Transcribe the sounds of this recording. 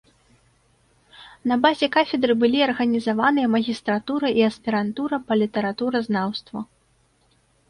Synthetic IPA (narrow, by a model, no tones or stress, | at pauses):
nɐbazʲɛkafʲɛd̪ɾɨbɨlʲiɐrɣɐnʲizavanɨjɐmɐɣʲist̪ɾat̪uɾɐʔiɐspʲɛɾant̪uɾɐpɐlʲit̪ɐɾat̪uɾɐznawst̪vɐ